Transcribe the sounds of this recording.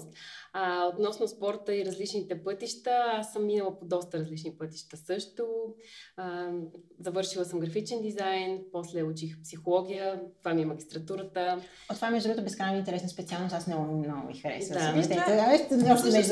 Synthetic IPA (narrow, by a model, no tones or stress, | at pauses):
aot̪nɔsnʊspɔɾt̪əiɾɐzlit͡ʃnit̪ɛpɤt̪iʃt̪əasəmːinəlˠəpod̪ɔst̪əɾɐzlit͡ʃnipɤt̪iʃt̪əsɤʃt̪o | zɐvɤɾʃilˠəsəmɡɾɐfit͡ʃɛnd̪izajnpɔslɛut͡ʃixpsixolˠɔɡ̟ʲijət̪ovamimɐɡʲist̪ɾɐt̪uɾət̪ə | ot̪ːovamɛʒd̪uɡət̪ʊbɛskɾanəint̪ɛɾɛsnəspɛt̪sialˠnost̪asmnɔɡʊmnɔɡʊ̰mixəɾɛ̰səd̪at̪ɛavɛʃɔʃt̪ɛɛ